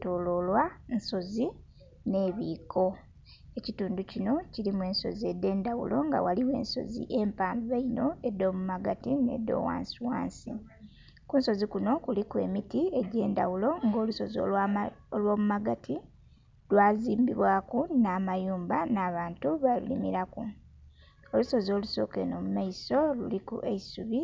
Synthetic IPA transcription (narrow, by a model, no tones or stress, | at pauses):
toːlo̞lwanso̞zi | ne̞βiːkʰo̞ | ecituːnducino̞cilimue̞ːnso̞̰zie̞dːe̞ːndawṵlo̞̰ŋɡa̰waliwe̞̰ːnso̞̰zḭʔe̞mpaːmbiβaino̞edːo̞ːmumaɡatine̞̰do̞̰ːwa̰ːnsuwa̰ːnsḭ | kunso̞zikuno̞kulikwe̞̰mitie̞ɟe̞ːndawulo̞ŋɡo̞ːluso̞zo̰olwo̞ːmumaɡatʰi | lwaːziːmbiβwaːkunaːmajuːmbanaːβaːntuβalṵlḭmiɾaku | o̞luso̞zo̞ːluso̞̰ːke̞̰no̞mumaiso̞lṵlikṵʔeisuβi